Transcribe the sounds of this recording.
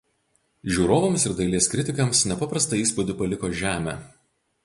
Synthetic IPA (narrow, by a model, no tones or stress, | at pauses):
ʒʲuːɾoːʋɐmsɪɾd̪ɐɪlʲiɛskɾʲɪt̪ʲɪkɐmsnʲɛpɐpɾɐst̪ɐɪiːspʊd̪ʲɪpɐlʲɪkoːʒʲæːmʲæ̰